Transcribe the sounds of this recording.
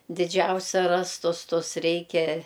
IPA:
dʲɪˈd͡ʒʲɛʊsʲɛ ˈrɑːstʊs ˈtʊs ˈrʲɛɪkʲɛ

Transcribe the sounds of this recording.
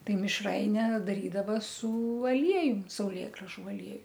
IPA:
ˈtɐɪ mʲɪʃˈrɐɪnʲɛ dɐˈrʲiːdɐʋɐ sʊ ɐˈlʲiɛjʊm sɐʊˈlʲeːɡrɐʒʊ ɐˈlʲiɛjʊ

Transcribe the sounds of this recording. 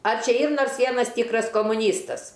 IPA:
ɐr ˈt͡ʃʲɛ ˈiːr ˈnoːrs ˈʋʲiɛnɐs ˈtʲiːkrɐs koːmʊˈnʲiːstɐs

